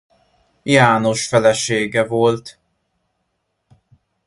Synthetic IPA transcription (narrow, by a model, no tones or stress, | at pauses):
jaːnoʃfɛlɛʃeːɡɛvolt̪